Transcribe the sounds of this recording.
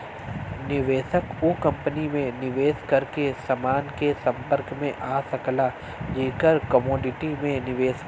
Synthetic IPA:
nɪʋeːsəkokɐ̃mpənimẽnɪʋeːskɐɾkesɐmaːnkesɐ̃mpəɾkmẽʔaːsɐkla | d͡ʒiːkəɾkəmɔːɖɪʈimẽnɪʋeːs

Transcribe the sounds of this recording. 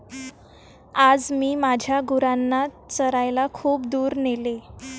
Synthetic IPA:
ad͡zmiːmad͡ʑʱjaɡuɾanːa | t͡səɾajlakʰuːp̚d̪uːɾnele

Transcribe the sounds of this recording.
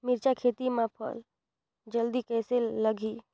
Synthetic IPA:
mɪɾt͡ʃakʰeːt̪imãpʰə̰l | d͡ʒəld̪ikɛːselːəɡʱi

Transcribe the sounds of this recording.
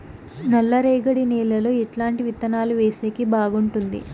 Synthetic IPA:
nɐlːɐɾeːɡɐɽiniːlːɐloːiʈlaːɳʈiʋit̪ːɐnaːluʋeːseːkibaːɡuɳʈund̪ḭ

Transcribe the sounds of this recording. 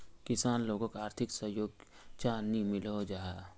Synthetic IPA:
kɪsaːnloːɡõkaaːɾt̪ʰɪksəɦjoːɡt͡ʃaːnimɪlɦod͡ʒaːaː

